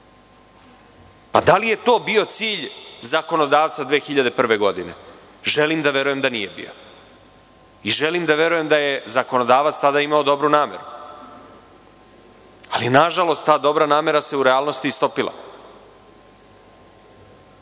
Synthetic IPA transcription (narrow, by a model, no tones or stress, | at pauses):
pad̪alije̞t̪o̞ːbio̞t̪siːʎzako̞no̞d̪aːʋt̪sad̪ʋeːxiʎad̪e̞pr̩ʋe̞ɡo̞d̪ine̞̰ | ʒe̞liːmd̪aʋe̞ɾuje̞md̪anije̞bḭjo̞̰ | iʒe̞liːmd̪aʋe̞ɾuje̞md̪aje̞zako̞no̞d̪aːʋat̪st̪ad̪aimaod̪o̞bɾunaːme̞̰ɾu | alijenaʒalˠo̞st̪ːaːd̪o̞bɾanaːme̞ɾase̞uɾeaːlˠno̞st̪ist̪o̞pilˠa̰